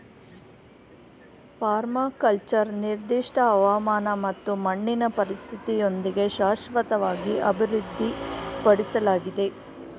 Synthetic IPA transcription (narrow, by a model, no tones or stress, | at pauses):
paːɾmakɐlt͡ʃɐɾniɾd̪iʂʈʰɐːʋaːmaːnɐmɐt̪ːumɐɳːinɐpɐɾist̪ʰit̪ijo̞nd̪iɡe̞ʃaːʂʋɐt̪ɐʋaːɡiʔɐbʱiɾud̪ʱːipɐɽisɐlaːɡid̪e̞